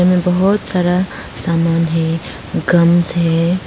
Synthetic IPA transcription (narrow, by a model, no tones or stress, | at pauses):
mẽbəɦʊt̪saːɾa | saːmaːnɦɛ | ɡɐmsɦɛ